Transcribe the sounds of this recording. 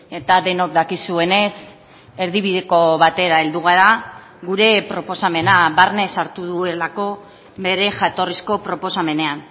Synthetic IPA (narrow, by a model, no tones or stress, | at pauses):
e̞t̪aðe̞no̞kd̪akisue̞ne̞s | e̞ɾðiβiðe̞ko̞βat̪e̞ɾae̞ld̪uɣ̞aɾa | ɣuɾe̞pɾo̞po̞same̞naβaɾne̞saɾt̪uðue̞lako̞ | βe̞ɾe̞ʝat̪o̞risko̞pɾo̞po̞same̞ne̞an